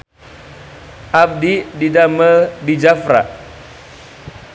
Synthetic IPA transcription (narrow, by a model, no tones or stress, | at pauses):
ʔab̚dididamədid͡ʒafɾa̰